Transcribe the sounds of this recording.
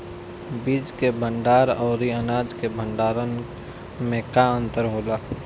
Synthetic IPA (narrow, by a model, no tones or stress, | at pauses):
biːd͡ʒkebʱə̃ɳɖaːɾɔːɾiənaːd͡ʒkebʱə̃ɳɖaːɾən | mẽkaə̃nt̪əɾɦoːlaː